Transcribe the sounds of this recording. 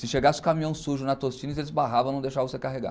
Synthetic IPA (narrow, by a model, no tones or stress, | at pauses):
sɪʃeɡasɪʊ̥kamĩɐ̃w̃suʒʊnɐt̪ost͡ʃĩniz̬elɪzbaɦavɐ̃nɐ̃w̃d̪ejʃavɐ̃sekaɦeɡa̰